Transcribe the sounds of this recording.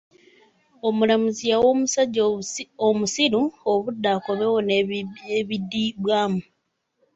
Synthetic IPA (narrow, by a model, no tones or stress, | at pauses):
o̞mulamuzijawomusaɟːomusiɾuoβudːaːko̞βe̞wo̞neβidːiβwaːmu